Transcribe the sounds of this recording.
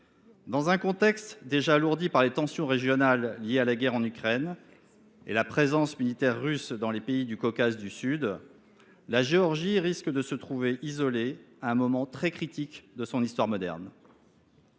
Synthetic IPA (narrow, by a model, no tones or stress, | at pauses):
d̪ɑ̃zɛ̃kɔ̃t̪ɛkst̪d̪eʒaːluʁd̪ipaʁlet̪ɑ̃sjɔ̃ʁeʒjɔnalːjealaɡʲɛʁɑ̃nykχɛn | ḛlapχezɑ̃smilit̪ɛʁːysd̪ɑ̃lepeid̪ykɔkazd̪ysyd̪ | laʒeɔʁʒiʁiskd̪əsət̪χuveʔizɔleaɛ̃mɔmɑ̃t̪χɛkχit̪ikd̪əsɔ̃nist̪waʁmɔd̪ɛ̰ʁn